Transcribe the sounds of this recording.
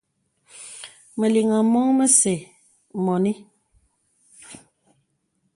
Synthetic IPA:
mə˨li˨ŋa˨mɔ˦ŋmə˦se˨ | mɔ˨ni˦

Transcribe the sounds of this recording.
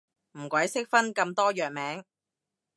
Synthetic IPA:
m̩ː˨˩kʷɐ˨˥jsɪ˥k̚fɐ˥nkɐ˧mt̪ɔː˥jœː˨k̚mɛː˨˥ŋ

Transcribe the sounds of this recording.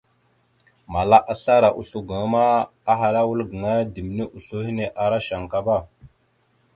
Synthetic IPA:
ma˨la˦ʔa˦ɬa˦ɾa˨ʔṵ˨ɬu˦ɡa˨ŋ˦ma˦ | a˦ɦa˨ɾa˦wu˦lɡə˨ŋa˦di˨m˨ne˦ʔu˨ɬu˦hi˦ne˨ʔa˨ɾa˦ʃa˨ŋka˦ba˦˨

